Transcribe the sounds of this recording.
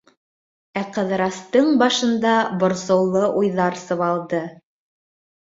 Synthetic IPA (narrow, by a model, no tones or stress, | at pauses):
æqɤ̆ðɾɑst̪ɤɴbɑʃɤ̆nd̪ɑbŏɾsɤ̆wlˠɤʔujðɑɾsɤ̆βɑlˠd̪ɤ